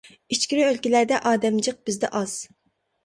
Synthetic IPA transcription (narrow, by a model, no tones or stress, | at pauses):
it͡ʃkʲiɾɪølkʲilæɾd̪ɛʔɑːd̪ɛmd͡ʒəq̚bɪzd̪ɛ̰ʔɑz̥